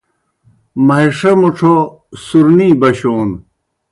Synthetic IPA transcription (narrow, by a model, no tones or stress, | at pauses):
mɐɦiʂɐmuʈ͡ʂʰo | suɾniːbɐɕoːn